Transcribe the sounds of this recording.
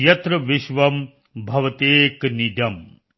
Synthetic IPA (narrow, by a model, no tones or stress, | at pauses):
jɐt̪ɾɐʋiʃʋɐm | bʱɐʋɐt̪eːknid̪ɐm